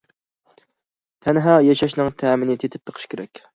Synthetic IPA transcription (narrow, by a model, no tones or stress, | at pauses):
t̪ʰɛnɦɑːjɑʃɑʃnɨŋt̪ʰɛːmɪnɪt̪ʰet̪ʰɪ̥p̚beqʰə̥ʃkʲeɾɛkʲ